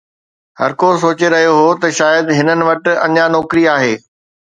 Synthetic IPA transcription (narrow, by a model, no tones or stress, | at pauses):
hɐɾkos̬oːt͡ɕeɾɐɦijoɦot̪ɐʃaːjəd̪ɦɪnənɪ̆ʋɐʈ̆ɐ̰ɲanɔːkɾiaːɦeː